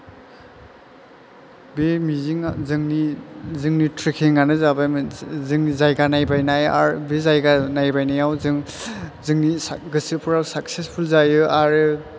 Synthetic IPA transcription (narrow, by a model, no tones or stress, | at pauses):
bemiziŋzɯŋnizɯŋnitʰɾikʰeŋɡanɯzabajmzɯŋnizajɡanajbajnaja̰ɾbezajɡanajbajnajawzɯŋzɯŋnisɡɯsɯpʰuɾawsak̚sespʰulzajɯaɾɯ